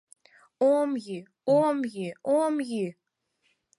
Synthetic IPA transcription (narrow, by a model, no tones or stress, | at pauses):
omji | omjiomji